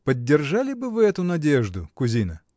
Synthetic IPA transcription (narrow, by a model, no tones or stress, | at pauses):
pədʲːɪrʐalʲɪbɨvɨɛt̪ʊnɐdʲeʐd̪ʊkʊzʲinə